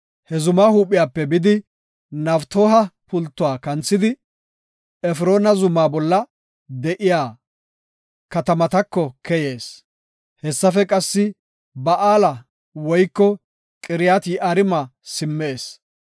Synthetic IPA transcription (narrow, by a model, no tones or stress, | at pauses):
hɛzʊmaːhuːpʼːɪjaːpːɛbɪd̪ɪ | nɐft̪oːɦɐpʊlt̪ːʊwaːkɐnt͡sːɪd̪ɪ | ɛfɾo̞ːnɐzʊmːaːbɔlːɐ | d̪ɛʔɪjaː | kɐt̪ɐmɐt̪ɐkːɔkɛje̞ːs | hɛsːɐfɛkʼɐsːɪ | bɐʔaːlɐ | wɔjkːɔ | kʼɪɾɪjaːt̪iʔɐɾɪmɐsɪmːeːs